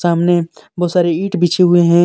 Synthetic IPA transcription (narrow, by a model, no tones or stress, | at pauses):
saːmneboːsaːɾeiːʈbit͡ʃʰeɦʊeɦɛ̃ː